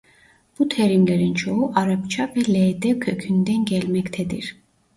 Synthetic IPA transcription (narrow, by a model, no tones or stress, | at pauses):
b̥ut̪ʰɛɾimlɛɾint͡ʃʰɔɦuʔaɾapt͡ʃʰavɛlɛd̪ɛkʰøkʰynd̪ɛnɡɛlmɛkt̪ʰɛd̪ḭɾ